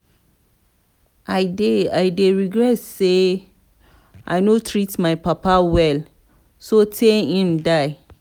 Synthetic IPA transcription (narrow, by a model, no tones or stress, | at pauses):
aɪdeajdeɹiɡɹɛtse | ʔaɪnotʰɹitmaɪpapawɛl | sotʰɛhĩmdaɪ